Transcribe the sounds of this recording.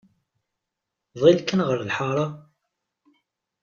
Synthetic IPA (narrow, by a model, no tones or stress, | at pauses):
ðˤilkːənʁəɾlħɑɾˤɑ